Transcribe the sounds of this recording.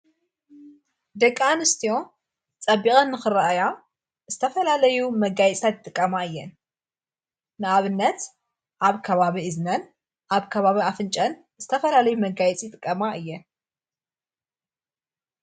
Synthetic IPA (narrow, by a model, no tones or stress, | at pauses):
d̪ɐkʼːanɨst̪ʰijo̞ | t͡sʼɐbikʼɐnːɨxɨɾɐʔɐja | z̥ɨt̪ʰɐfɐlalɐjumɐɡajɛt͡sʼt̪ʰat̪̚t̪ʼɨkʼːɐmaɨjːɛn | nɨaβɨnːɐt̪ | ʔaβkʰɐβaβiɨznɐn | ʔaβkʰɐβaβiafɨnt͡ʃʼɐn | z̥ɨt̪ʰɐfɐlalɐjumɐɡajɛt͡sʼijt̪ʼɨkʼːɐmaʔɨjːɛn